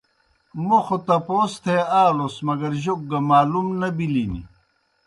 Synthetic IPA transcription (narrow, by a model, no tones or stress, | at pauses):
moxot̪ɐpoːst̪ʰeaːlosmɐɡɐɾʑok̚ɡɐmaːlumnɐbilinḭ